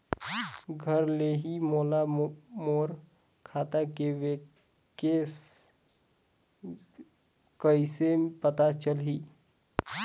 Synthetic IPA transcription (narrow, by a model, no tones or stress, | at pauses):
ɡʱəɾleɦimoːlamoːɾ | kʰaːt̪akeʋe | kes | kəisepət̪at͡ʃəlɦiː